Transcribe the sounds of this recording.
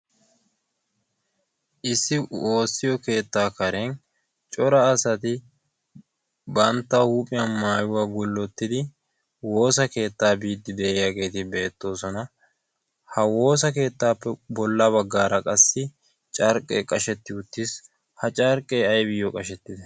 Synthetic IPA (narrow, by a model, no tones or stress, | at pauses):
ʔɪsːɪo̞ːsːɪjɔke̞ːt̪ːaːkɐɾɛn | t͡ʃʼɔɾɐːsɐt̪ɪ | bɐnt̪ːɐhuːpʼɪjɐnmaːjʊwaɡʊlːɔt̪ːɪd̪ɪ | wo̞ːsɐke̞ːt̪ːaːbiːd̪ːɪd̪eːjaɡe̞ːt̪ɪbe̞ːt̪ːo̞ːsɔnɐ | hɐwo̞ːs̬ɐke̞ːt̪ːaːpːɛbɔlːɐbɐɡːaːɾɐkʼɐsːɪ | t͡ʃʼɐɾkʼeːkʼɐʃɛt̪ːɪʊt̪ːɪs | hɐt͡ʃʼɐɾkʼːeːɐjbɪjɔkʼɐʃɛt̪ːɪd̪ɐ